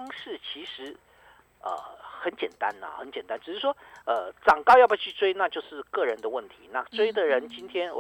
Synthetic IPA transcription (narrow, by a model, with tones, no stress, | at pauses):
ŋʂɻ̩˥˩t͡ɕʰi˧˥ʂɻ̩˧˥ | ə̰˧˩xə˧˦nt͡ɕjɛ˨˩nt̪a̰˥nə̰˨xə̰˧˥nt͡ɕjɛ˨˩nt̪a˥nʈ͡ʂɻ̩˨˩ʂɻ̩˥˩ʂwɔ˥ə˧ʈ͡ʂɑ˨˩ŋkɑ˥˧ʊjɑ˥˩ʊbu˧˩t͡ɕʰy˥˩t͡swe˥ɪna˥˧t͡ɕjo˥˧ʊʂɻ̩˥˧kɤ˥˩ɻə˧˥nd̪ə˧wə˥˩nt̪ʰi˧˥na̰˥˩t͡swe˥ɪd̪ə˨ɻə˧˥nt͡ɕi˥nt̪ʰjɛ˥n